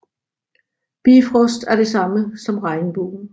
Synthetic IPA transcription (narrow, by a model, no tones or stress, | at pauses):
b̥ḭfʁɔ̽sd̥æɐɾ̥e̝sɑ̈məsɒ̽mʁɑ̈ɪnb̥o̰ːn̩